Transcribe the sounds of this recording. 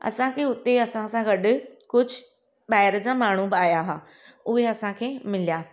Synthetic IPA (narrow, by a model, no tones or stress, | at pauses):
ɐ̰sãkʰeːʊt̪eɐsãsãɡɐɗkʊd͡ʑʱʊ | ɓaːɦɪɾəd͡ʑaːmaːɽ̤ubaːjaɦaː | ʊɦeɐsãkʰeːmɪlijaː